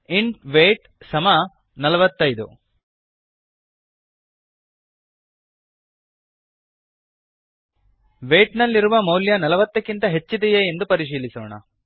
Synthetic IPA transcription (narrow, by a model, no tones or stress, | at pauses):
iɳʈʋeːʈ | sɐmɐ | nɐlɐʋɐt̪ːɐjd̪ṵ | ʋeːʈnɐlːiɾuʋɐmɐwljɐnɐlɐʋɐt̪ːɐkːint̪ɐɦe̞t͡ʃːid̪ɛjeend̪upɐɾiʃ̬iːlisoːɳɐ̰